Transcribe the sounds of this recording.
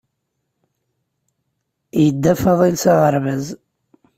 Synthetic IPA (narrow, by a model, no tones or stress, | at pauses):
jəd̪ːæfɑðˤilsaʁəɾvæz